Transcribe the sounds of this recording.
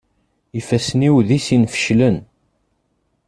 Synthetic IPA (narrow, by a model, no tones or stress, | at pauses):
ifæsniwðisinfə̥ʃlən